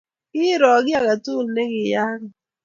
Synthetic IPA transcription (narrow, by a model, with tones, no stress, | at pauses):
kɪ˦ɾɔ˨ɡɪ˦a˨ka˨tu˦˨lne˦ɡɪ˨ja˦ka˨